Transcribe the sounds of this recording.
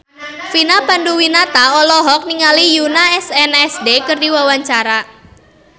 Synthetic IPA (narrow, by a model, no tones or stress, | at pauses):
finapanduwinat̪aɔlɔɦɔk̚niŋalijunaɛsɛnɛsdekərdiwawaɲt͡ʃaɾa